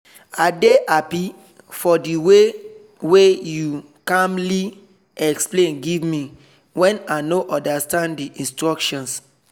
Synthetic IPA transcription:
adeʔapi | fɔdiwe | weju | kãmli | ɛksplẽnɡivmi | wɛ̃nanoʔɔ̃ndastãnddiʔĩnstɹɔkʃɔ̃ns

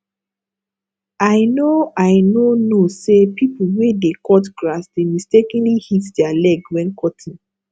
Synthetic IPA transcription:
aɪnoaɪnonosepipuwedekɔtɡɹasdemistekĩnlihitdɛalɛɡwɛ̃nkʰɔtʰĩn

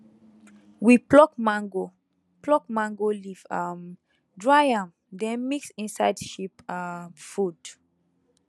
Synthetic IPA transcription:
wiplɔkmãŋɡo | plɔkmãŋɡolifam | dɹajãm | dɛ̃nmiksĩnsaɪdʃipamfud

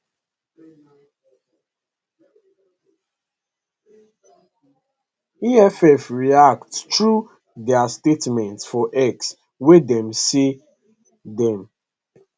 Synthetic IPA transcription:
iɛfɛfɹiak̚ttɹu | dɛastetmɛ̃ntsfɔʔɛks | wɪdɛ̃msi | dɛ̃m

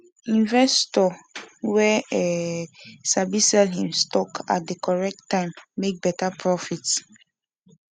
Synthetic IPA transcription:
ĩnvɛstɔwɛɛ | sabisɛlhĩmstɔkʰa̰t̚dekʰɔɹɛk̚tʰːãɪ̃mːek̚bɛtapʰɹɔfits

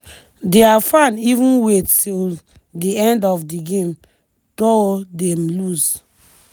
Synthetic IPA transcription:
deafãnivũnwetil | diɛ̃ndɔfdiɡẽm | d̥odɛmlus

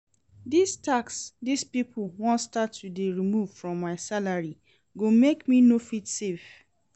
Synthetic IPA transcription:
distaksdispipʰlwɔ̃nstatːudeɹimuv̥fɹɔ̃mːaɪsalaɹi | ɡomekminofitsef

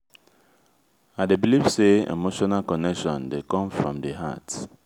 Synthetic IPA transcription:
adebilifseḛmoʃɔnalkɔnɛkʃɔ̃ndekɔ̃mfɹɔ̃mdeɦa̰t

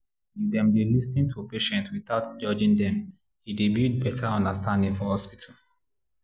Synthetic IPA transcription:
ifd̪ɛ̃mdelistĩntʰupeʃɛ̃ntwiθaʊtd͡ʒɔd͡ʒĩŋd̪ɛ̃m | hidibjut̚bɛtʰaɔ̃ndəstãndĩŋfɔhɔspitʰal

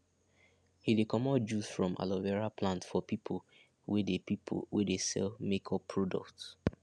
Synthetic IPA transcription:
hidekʰɔmɔd͡ʒusfɹɔ̃mʔa̰lɔvɛɹaplãntfɔpipʰol | wedepipʰwedesɛ̰lmekʰɔpʰːɹɔdɔ̰kt

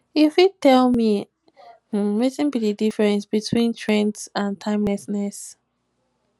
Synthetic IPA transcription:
ifitɛlˠmi | h̩mesĩnbididifɹɛ̃nsbitʰwĩntʰɹɛ̃ntsãntʰãɪ̃mlɛsnɛs

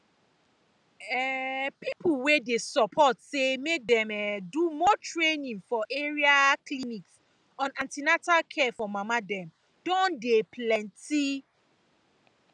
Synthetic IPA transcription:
ɛpipʰulwedesɔpʰɔtsemek̚dɛ̃mɛdumɔtɹenĩŋfɔʔeɹiakliniks | ɔ̃nãntinatalkʰɛfɔmamadɛ̃m | d̥ɔ̃ndeplɛ̃nti

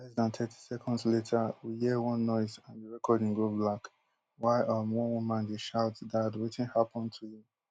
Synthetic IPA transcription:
lɛzdãntʰɛtʰi̥sɛkʰɔ̃ndzletʰəwiɦiwʌ̃nːɔɪzãnjuɹɛkʰɔdɪ̃ŋɡoblak | waɪʔʌmwɔ̃nwumãnɡeʃaʊtdadwetĩnhapɔ̃ntʰuji

